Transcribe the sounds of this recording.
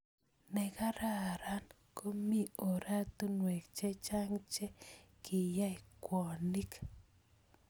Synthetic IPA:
nɛ˨ka˦ɾa˦˨ɾa˦n | ko˦mi˦o˨ɾa˦t̪u˦nwe˨kt͡ʃe˦t͡ʃa˦ŋt͡ʃe˦kʰi˨ja˦˨kwɔ˨ni˦k

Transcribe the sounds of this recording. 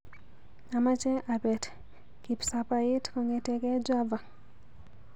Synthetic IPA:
a˨ma˦t͡ʃɛ˦ʔa˨bɛ˨t | ki˨psa˨pa˨ɪ˦tkɔ˨ŋe˨tɛ˨kɛ˦d͡ʒa˦va˨

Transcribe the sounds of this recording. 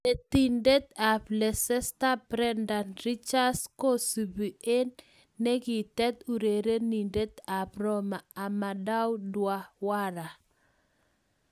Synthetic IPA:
e˨t̪i˨nde˦t̪a˨plɛ˨sɛ˦st̪a˦bɾɛ˦nda˨nɾi˦t͡ʃa˦sko˦su˨bi˨ʔe˦nː | e˦ɡɪ˨t̪ɛ˦t̪u˨ɾe˨ɾe˦ni˨nde˦t̪a˨pɾɔ˦maː˨ma˨da˦wdwa˦wa˦ɾa˨

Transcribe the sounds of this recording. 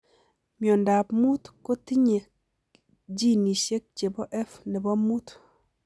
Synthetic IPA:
mjɔ˨nda˨pmu˦tko˦ti˦ɲe˨ | d͡ʒi˦ni˨ʃe˦k̚t͡ʃe˨bɔ˦ʔɛ˦fnɛ˨bɔ˦mu˦t

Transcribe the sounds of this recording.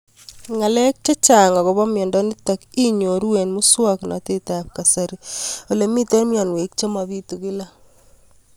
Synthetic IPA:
ŋa˨le˦k̚t͡ʃe˦t͡ʃa˨ŋa˨ɣo˨βa˦me˨nda˦ni˦ta˨ki˦ɲo˨ɾu˦we˨nmu˦swa˦kna̰˨te˦ta˨p̚ka˨saɾio˨le˨mi˦te˦ɾmja˨nwe˨k̚t͡ʃa˦ma˨βi˦tu˨ɣi˦la˦

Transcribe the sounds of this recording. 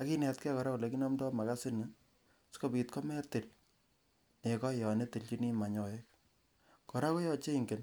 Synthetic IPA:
a˨ki˦nɛ˨tkɛ˦kɔ˨ɾa˦ko˨le˨ki˦nɔ˦mdɔ˦ma˨ka˦sɪ˦nɛ | sko˦bi˨t̚kɔ˦mɛ˦te˨l | ne˨kɔ˦jɔ˨ne˦te˨lt͡ʃi˦ni˦ma˨ɲɔ˨e˦k̚ | kɔ˨ɾa˦kɔ˦jɔ˦t͡ʃe˦iŋɡe˨n

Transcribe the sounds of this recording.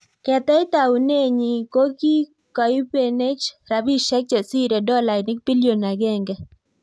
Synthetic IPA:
kɛ˨t̪ɛ˦ɪ˦t̪a˨wu˨ne˦ɲi˨ko˦ki˦ | ka˨i˦pe˨ne˦t͡ʃɾa˨bi˦ʃɛ˦k̚t͡ʃe˨si˦ɾe˨dɔ˦la˨nɪ˦k̚bi˦li˦o˨na˨ɡɛ˦˨ŋɡɛ˦

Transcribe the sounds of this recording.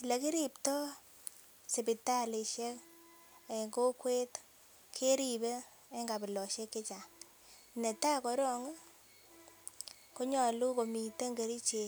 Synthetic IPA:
i˨le˨ki˦ɾi˨ptɔ˦ | se˨pi˨ta˦le˨ʃɛ˦k | e˨ŋɡo˦kwe˦t | kʰe˦ɾi˨be˦ | e˦ŋɡa˨bɪ˨lɔ˨ʃɛ˦kːe˦t͡ʃa˨ | ne˨ta˦kɔ˨ɾɔ˦˨ŋ˦ | ko˦ɲɔ˨lu˦ko˨mi˨te˦ŋɡe˨ɾi˦t͡ʃe˨

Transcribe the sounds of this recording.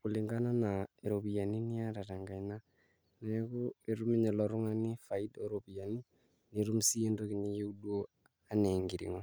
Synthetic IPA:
ku˨li˨ŋɡa˦na˦na˨eɾo˨βi˨a˨ni˦ni˦a˦ɾa˨ta˨ŋɡa˨i˨na˦ | na˨˦ku˦e˨ɾu˦me˦ɲe˨lɔɾu˦ŋa˦ni˦fa˨i˦doɾopi˨ja˨ni˦ | ni˨ɾu˦m̩˦si˦e˦ndo˦kiɲi˦je˦u˦do˦ | a˦ne˨ŋɡi˨ɾḭ˨ŋɔ

